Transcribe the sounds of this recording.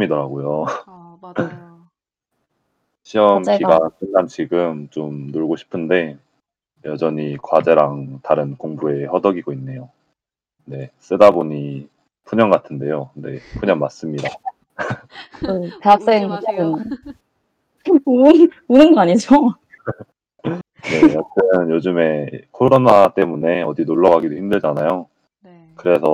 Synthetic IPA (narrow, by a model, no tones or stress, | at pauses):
midʌɾaɡojo | ɕʰiʌmkiɡas͈ʰɯnɡant͡ɕiɡɯmt͡ɕomnoɭɡoɕʰi̥pʰɯnde̞ | jʌd͡ʑʌɲikwad͡ʑe̞ɾaŋtaɾɯnkoŋbue̞hʌdʌɡiɡoinːe̞jo | ne̞s͈ɯdaboɲi | pʰuɲʌŋɡatʰɯnde̞jone̞̰pʰuɲʌŋmas͈ɯmɲida | ɯteɦak̚s͈eŋt͡ɕakɯm | unɯnɡʌaɲid͡ʑo | ne̞jat͈ɯnnjod͡ʑɯme̞kʰoɾonat͈e̞mune̞ʌdinoɭːʌɣaɡidohimdɯɭd͡ʑanajo | n | kɯɾe̞sʰʌ